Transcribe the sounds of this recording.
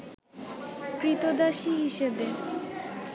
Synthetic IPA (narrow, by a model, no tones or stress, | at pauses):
kɾit̪od̪aʃiɦiʃebe